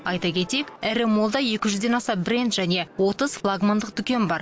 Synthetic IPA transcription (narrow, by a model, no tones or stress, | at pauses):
ɑjt̪ɑkʲʰe̞t̪e̞kʲæɾɪmo̞lˠd̪ɑje̞kʲɪʒʏzd̪e̞nɑsɑbɪɾe̞nt̪ʒæne̞wo̞t̪əz̥flˠaɡmand̪əq̚d̪ʏkʲe̞nbɑɾ